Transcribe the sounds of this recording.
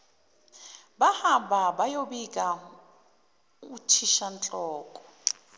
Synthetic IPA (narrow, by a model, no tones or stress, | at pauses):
bahababajobikʼa | utʰiʃant͡ɬʼɔːkʼɔ̥